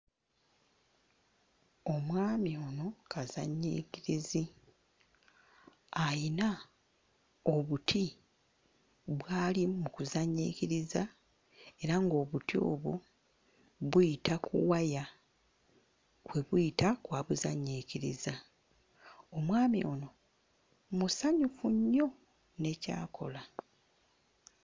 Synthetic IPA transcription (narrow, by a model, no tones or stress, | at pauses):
o̞mwaːmio̞no̞kʰazaɲːḭːciɾizi | ajina | o̞βutʰi | βwaːlimukuzaɲːiːkiɾiza | e̞ɾaŋɡo̞ːβutio̞̰βu | βujitʰakʰṵwaja | kwe̞βujitakwaːβuzaɲiːciɾḭza | o̞mwaːmio̞no̞ | musaɲufuɲːo̞ | ne̞ca̰ːkʰo̞̰la